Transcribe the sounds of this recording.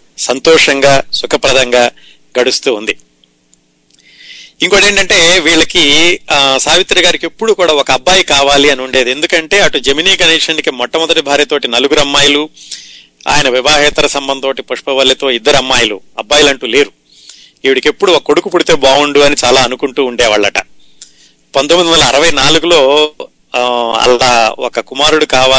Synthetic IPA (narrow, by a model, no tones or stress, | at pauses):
sɐnt̪ɔːʂɐŋɡaːsukʰɐpɾɐd̪ʱɐŋɡaː | ɡɐɽust̪uːnd̪i | iŋkoːɽe̞ːɳʈɐɳʈe̞ːʋiːɭɐki | saːʋit̪ːɾɐɡaːɾike̞pːuɽukuːɽaːɔkɐːbːaːjikaːʋaːliɐnuɳɖe̞ːd̪ie̞nd̪ukɐɳʈe̞ːɐʈud͡ʒɐminiːkɐneːʂɐnikimɔʈːɐmɔd̪ɐʈibʱaːɾjɐt̪o̞ːʈinɐluɡuɾɐmːaːjɐlu | a̰ːjɐnɐʋiʋaːɦɛːt̪ɐɾɐsɐmbɐnd̪oːʈipɐʂpɐʋɐlːɐt̪o̞ːid̪ːɐɾɐmːaːjɐluɐ̰bːaːjɐlɐɳʈuːle̞ːɾu | iːʋiɽike̞pːuɽuɔkɐkoɽukupuɽit̪e̞ːbaːuɳɖuɐnit͡ʃaːlaːɐnukuɳʈuːɳɖɛːʋaːɭːɐʈɐ | pɐnd̪omːid̪inɐlːɐːɾɐʋɐjnaːluɡulo̞ː | ɐ̰lːaːɔ̰kɐkumaːɾuɽukaːʋaː